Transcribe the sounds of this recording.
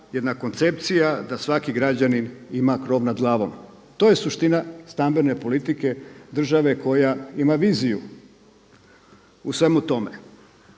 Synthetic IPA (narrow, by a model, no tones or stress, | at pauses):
jed̪nako̞nt̪se̞pt̪sijad̪asʋakiɡɾad͡ʑaninimakɾo̞ʋnad̪ɡlˠaːʋo̞̰m | t̪o̞ːje̞suʃt̪inast̪ambe̞ne̞po̞lit̪ike̞d̪r̩ʒaʋe̞ko̞jaimaʋiːzijṵ | usʋe̞mut̪o̞mḛ